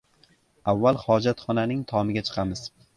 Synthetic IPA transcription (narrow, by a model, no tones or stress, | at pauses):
avːalˠhɒd͡ʒat̪χɒnanɪŋt̪ʰɒmɪɡʲat͡ʃʰɨ̥qʰɑmɪz̥